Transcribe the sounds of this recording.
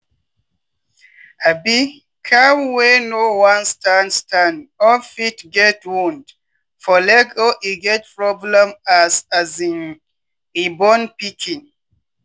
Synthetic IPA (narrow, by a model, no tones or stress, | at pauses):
abi | kʰamwenowãnstanstandɔfitɡɛtwũnd | fɔlɛɡoʔiɡɛt̚pɹɔblɛ̃masazĩn | ibɔnpikʰĩn